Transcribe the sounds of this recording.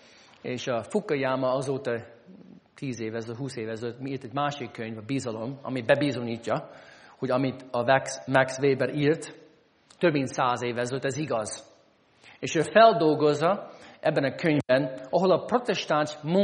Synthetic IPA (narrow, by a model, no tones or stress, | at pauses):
eːʃɒfukːɒjaːmɒɒzoːt̪ɒ | t̪ʰiːzeːvɛzøɦuːseːvɛzøt̪miiːrt̪ɛɟmaːʃikʰːøɲvɒbizɒlo̞mɒ̰mibɛbizo̞ɲiːcːɒhoɟɒmit̪ɒvɛksmɛksveːbɛɾiːrt̪ | t̪øbmint̪saːzeːvɛzøt̪ːɛziɡɒz̥ | eːʃøːfɛld̪o̞lɡo̞zːɒʔɛbːɛnɒkʰøɲvbɛnɒɦolɒpro̞t̪ɛʃt̪anʃmu